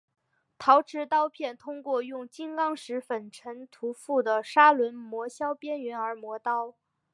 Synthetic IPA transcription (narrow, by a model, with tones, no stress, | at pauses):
t̪ʰɑ˧˥ʊʈ͡ʂʰɻ̩˧˥t̪ɑ˥ʊpʰjɛ˥˩nt̪ʰʊ˥ŋkwɔ˥˧jʊ˥˩ŋt͡ɕi˥nkɑ˥ŋʂɻ̩˧˥fə˨˩nʈ͡ʂʰə˧˥nt̪ʰu˧˥fu˥˩d̪ə˩ʂa˥lwə˧˥nmwɔ˧˥ɕjɑ˥ʊpjɛ˥nɥɛ˧˥nə˞˧˥mwɔ˧˥t̪ɑ˥ʊ